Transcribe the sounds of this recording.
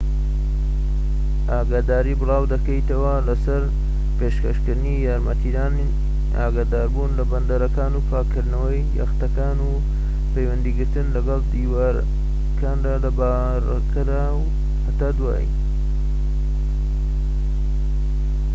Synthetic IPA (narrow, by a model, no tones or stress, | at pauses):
aːɡaːd̪aːɾiːbɨlɑːwd̪ɐkɐjt̪ɐwɐlɐsɐɾ | peʃkɐʃkɨɾɨnijaːɾmɐt̪id̪aːni | a̰ːɡaːd̪aːɾbunlɐbɐnd̪ɐɾɐkaːnuːpʰaːkːɨɾd̪nɐwɐjːɐ̰xt̪ɐkaːnu | pejwɐnd̪iːɡɨɾt̪ɨnlɐɡɑlˠd̪iːwaɾ | kaːndaːlɐba | ɾ | kʰɾaːw | hat̪aːd̪wa̰ːj̰